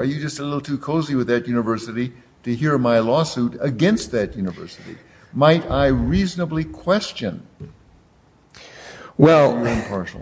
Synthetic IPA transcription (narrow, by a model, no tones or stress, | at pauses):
ə˞jɨd͡ʒʌstəlɪɾl̩ˠtʰʉkʰoʊziwɨðɨt̚jʉnɨvɜ˞sɨɾi | ɾɨɦiɹmaɪlɔsʉɾɨɡɛ̃nst̪̚ðɨt̚jʉnɨvɜ̰˞sɨɾḭ | maɪɾaɪɹiznəblikʰw̥ɛst͡ʃɨ̰̃n | wɛlˠə˞ɪ̃mpʰɑɹʃl̩ˠ